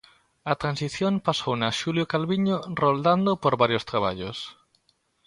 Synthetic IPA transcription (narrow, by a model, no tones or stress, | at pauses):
ɐt̪ɾãnsiθjõmpasownaʃuljokalβiɲorold̪and̪opoɾβaɾjost̪ɾaβ̞a̰ʎos